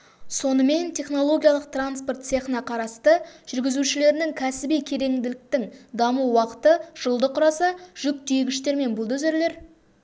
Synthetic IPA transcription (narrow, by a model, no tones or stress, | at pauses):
so̞nəme̞nt̪ʰe̞χno̞lˠo̞ɡʲijalˠəq̚t̪ranspo̞rt̪seχnɑqʰɑɾɑst̪əʒ̥ʏɾɡʲɪzuʃɪle̞ɾɪnɪŋkʲʰæsɪbijkʲʰe̞ɾe̞ŋd̪ɪlɪk̚t̪ɪŋd̪ɑmuwɑqə̥t̪əʒ̥əlˠd̪əqʰʊɾɑsɑʒ̥ʏk̚t̪ejɡʲɪʃt̪e̞ɾme̞nbʊlˠd̪ɵze̞ɾle̞ɾ